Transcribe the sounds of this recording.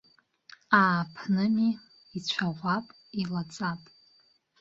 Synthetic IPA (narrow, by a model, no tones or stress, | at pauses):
aːpʰnɨmiː | t͡ɕʷʰaʁʷapʼ | ilat͡sʼapʼ